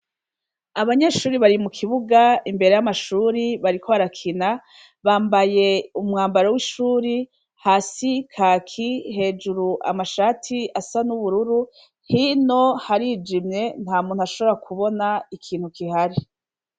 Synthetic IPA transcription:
aβaɲe̞ːʃuːɾiβaɾimukʰiβuɡaimbe̞ɾe̞jamaʃuːɾiβaɾikʰoaɾakʰina | βaːmbaje̞umŋaːmbaɾowiʃuːɾi | haːsikʰaːkʰihe̞ːd͡ʒuɾuʔa̰maʃaːtʰiasanuβuɾuɾu | hino̞haɾiːd͡ʒimɲe̞n̥haːmuːn̥huaʃo̞βoɾakuβo̞naikʰiːn̥hukihaɾi

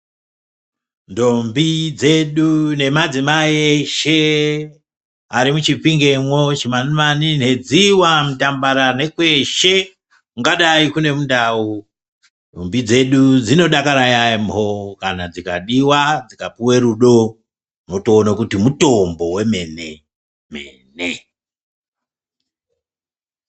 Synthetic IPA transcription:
ndo̞mbid͡ze̞ɗune̞mad͡zimaieʃe | aɾimut͡ʃipiŋɡe̞mwot͡ʃimanimanine̞d͡ziwamutambaɾane̞kwe̞ʃe̞ | muŋɡaɗaikune̞mundaːu | ombid͡ze̞ɗud͡zino̞ɗakaɾajaimbʱokanad͡zikaɗiwad͡zikapuwe̞ɾuɗo̞ | no̞toːnakutimuto̞mbo̞we̞me̞ne | mḛne

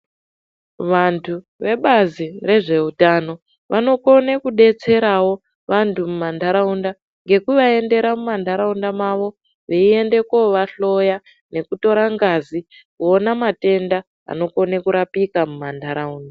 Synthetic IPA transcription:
ʋantʰu | ʋe̞ɓazire̞ʐe̞utano̞ | ʋʔano̞ko̞nekuɗe̞t͡se̞ɾawo̞ | ʋantʰumumandʱaɾaunda | ŋɡe̞kuʋae̞nde̞ɾamumandʱaɾaundamaʋo̞ | ʋeie̞nde̞koʋaɬo̞ja | ne̞kuto̞ɾaŋɡazi | kuonamate̞nda | a̰no̞ko̞nekuɾapikamumandaɾauːnda

